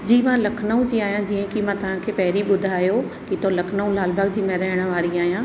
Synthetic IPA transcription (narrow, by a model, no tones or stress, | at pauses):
d͡ʑiːmãlɐkʰnəũd͡ʑiːaːjãd͡ʑiːə̃kimãt̪ɐʋ̤ãkʰeːpɐɦɪɾiɓʊd̪ʱaːjo | kit̪olɐkʰnəũlaːlbəɡ̚d͡ʑiːmẽɾɐɦɪɽ̃ə̆ʋaːɾiaːɦijãː